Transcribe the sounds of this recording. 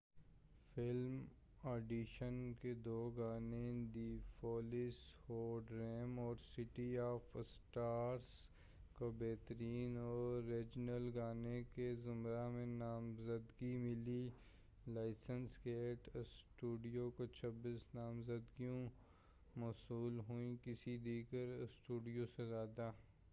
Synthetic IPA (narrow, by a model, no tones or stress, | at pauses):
fɪlm | eːɖiʃənked̪oːɡaːned̪iːfoːlɪshoːɖɾɛːmɔːɾsɪʈiaːfsʈaːɾs | kobɛːt̪əɾiːnɔːɾːeːd͡ʒnəlɡaːnekezʊmɾamẽnaːmzəd̪ɡimɪli | laːɪsənskeːʈsʈuːɖijokot͡ʃʰɐbiːsnaːmzəd̪ɡijũ | mɔsuːlɦuĩkɪsid̪iːɡəɾsʈuːɖijosezaːd̪aː